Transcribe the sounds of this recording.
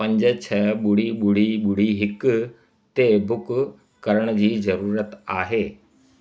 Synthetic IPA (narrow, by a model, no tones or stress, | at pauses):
pɐ̃ɲd͡ʑət͡ɕʰəɓʊɽ̤iɓʊɽ̤iɓʊɽ̤iɦɪk | t̪ebʊk | kɐɾəɽ̃d͡ʑiːzɐɾuːɾət̪aːɦeː